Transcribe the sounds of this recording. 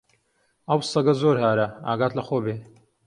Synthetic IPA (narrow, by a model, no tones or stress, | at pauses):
ɐwsɐɡɐzoːɾhaːɾɐa̰ːɡaːt̪lɐxoːbeː